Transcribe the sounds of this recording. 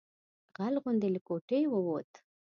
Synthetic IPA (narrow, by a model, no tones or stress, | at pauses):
ɣalɣʊnd̪eləkoʈejwəwot̪